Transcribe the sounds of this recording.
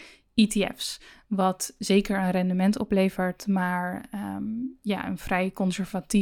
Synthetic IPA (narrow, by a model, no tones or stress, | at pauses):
itiɛ̰fsʋɑtz̥ejkəɹənrɛndəmɛntɔ̰plejvəɹtmaːɹ | ja̰ːə̰nv̥rɛjkɔnsɛɹvati